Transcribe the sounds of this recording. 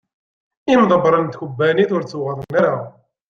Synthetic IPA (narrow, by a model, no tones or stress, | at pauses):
imðˤəbɾˤənt̪çubːæniθʊɾt͡sːuʁəɾənːaɾa